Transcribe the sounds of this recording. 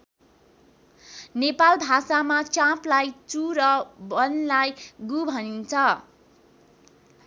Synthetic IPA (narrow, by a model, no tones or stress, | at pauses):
nepalbʱasamat͡sãplajt͡suɾʌbʌnlajɡubʱʌnint͡sʰʌ